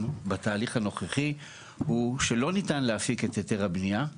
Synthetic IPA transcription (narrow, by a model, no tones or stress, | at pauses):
nbataːliχhano̞χeχi | huʃe̞lo̞nitanleafiket̪eteʁhabnija